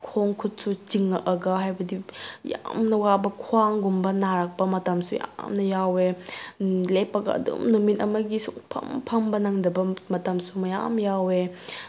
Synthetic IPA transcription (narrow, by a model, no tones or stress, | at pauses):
kʰoŋkʰut̚sut͡ʃiŋːɐʔɐɡɐɦajbɐdija̰mnɐwabɐkʰuwaŋɡumbɐnaɾak̚pɐmɐtamsuja̰mnɐjawe | lepɐɡɐ̰ɐ̰dṵmnomitɐmɐɡisukpʰɐ̰mpʰɐmbɐnaŋdɐbɐmɐtamsumɐja̰mjawe